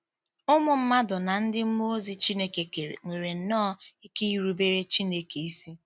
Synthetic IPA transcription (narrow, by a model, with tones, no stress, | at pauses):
ʊ˦mʊ˨m̩˦ma˦dʊ˨na˨n̩˦dɪ˦m̩˦mo˦zi˨t͡ʃi˦ne˦ke˨ke˨ɾḛ˨ŋʷe˨ɾe˨n̩˨nɔ˦i˦ke˦i˦ɾu˦be˦ɾe˦t͡ʃi˦ne˦ke˨i˦si˦